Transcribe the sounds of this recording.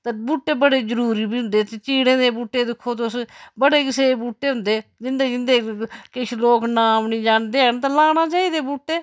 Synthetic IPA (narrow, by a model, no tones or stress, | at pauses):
t̪abuːʈːeːbəɽeːzəɾuːɾiːbiːɦʊnd̪eːt̪et͡ʃiːɽẽːd̪eːbuːʈːeːd̪ɪkʰːoːt̪ʊsbəɽeːkɪseːbuːʈːeːɦʊnd̪eːd͡ʒɪnd̪eːd͡ʒɪnd̪eːkɪʃʰloːknaːmnĩːd͡ʒaːɳd̪eːəɳt̪ãːlaːnaːt͡ʃaːiːd̪eːbuːʈːeː